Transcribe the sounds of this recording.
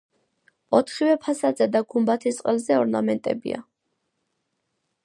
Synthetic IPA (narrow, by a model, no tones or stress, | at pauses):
ɔt̪ʰχivɛpʰasad̪zad̪aɡumbat̪ʰist̪sʼqʼɛlzɛɔɾna̰mɛnt̪ʼɛ̰bḭa̰